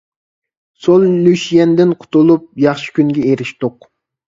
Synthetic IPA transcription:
solˠjyʃijɛnd̪ɪnqʰʊ̥t̪ulˠup̚jɑχʃi̥kʲynɡʲɛeɾɪʃt̪oq

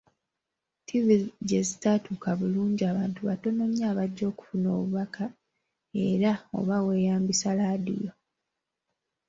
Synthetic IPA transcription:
tʰiviɟezitatuːkaβuluːɲɟiaːβaːntuβato̞no̞mjaːβaɟːo̞ːku̥funo̞̰ːβuβakʰa | e̞ɾao̞̰βawe̞ːjaːmbisalaːdḭjo̞

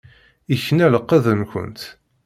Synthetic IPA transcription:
içːənæləqːæðənkʷə̰nt̪

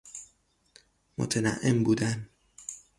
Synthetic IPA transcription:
mo̰t̪ʰenæ̰ʔːembuːd̪æn

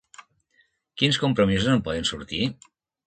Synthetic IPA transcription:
kinskumpɾomizuznopɔðensṵɾt̪i

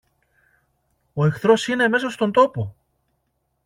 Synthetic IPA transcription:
o̞e̞xθɾo̞sineme̞s̬ost̪o̞nd̪o̞po

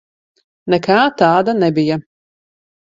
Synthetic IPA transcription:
nɛkaːt̪aːd̪anɛbija

